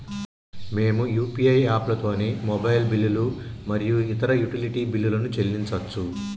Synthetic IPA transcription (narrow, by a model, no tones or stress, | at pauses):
me̞ːmujuːpiɐjaːplɐt̪o̞ːne̞ːmɔbɐjlbilːulumɐɾijuit̪ɐɾɐjuʈiliʈiːbilːulɐnut͡ʃe̞lːint͡ʃɐt͡ʃːu